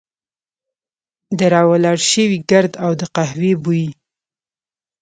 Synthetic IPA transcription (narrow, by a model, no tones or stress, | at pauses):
d̪əɾɑwalɑɽʃəwiɡəɾd̪awd̪əqahwebuji